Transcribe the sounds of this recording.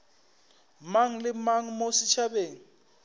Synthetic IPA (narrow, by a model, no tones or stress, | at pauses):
maŋ̩lɪmaŋ̩mosɪt͡ʃʰabeːŋ̩